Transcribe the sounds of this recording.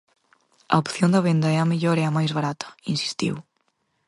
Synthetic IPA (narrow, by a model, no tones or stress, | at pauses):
ɐ̰opθjond̪ɐβend̪ɐɛɐmeʎoɾɛɐmajzβaɾat̪ʰɐ̥insi̥st̪ḭw